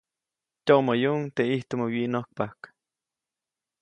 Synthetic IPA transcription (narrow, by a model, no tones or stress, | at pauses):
t̪oʔmojunt̪eiht̪omowiʔnohk̚pahk